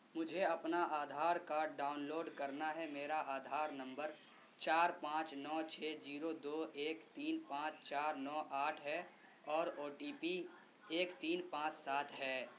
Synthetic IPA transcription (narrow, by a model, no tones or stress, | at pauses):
mʊd͡ʒʱeɐpnaʔaːd̪ʱaːɾkaɖaːʊnloːɖkɐɾnaɦɛmeːɾaʔaːd̪ʱaːɾnɐ̃mbəɾ | t͡ʃaːɾpãːt͡ʃnɔːt͡ʃʰɛːziːɾod̪oːeːkt̪iːnpãːt͡ʃt͡ʃaːɾnɔːʔaːʈʰɦɛ | ɔːɾoːʈiːpi | eːkt̪iːnpãːt͡ʃsaːt̪ʰɦɛː